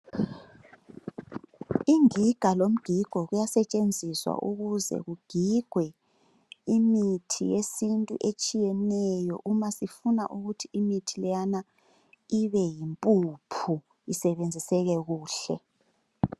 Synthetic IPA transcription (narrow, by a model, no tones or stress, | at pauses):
iŋiɡ̥ʱalom̩ɡ̥ʱiɡ̥ʱɔɣujasɛt͡ʃʼend͡zʱiswa̰ʔuɣuzɛ̰ɣuɡ̥ʱiɡ̥ʱwɛ | imitʰḭjesintʼṵʔet͡ʃʼijɛnɛjɔ̰ʔumasifunaʔuɣutʰiimitʰilɛjana | iβɛjimpʼupʰu | isɛβend͡zʱisɛɣɛɣuːɬɛ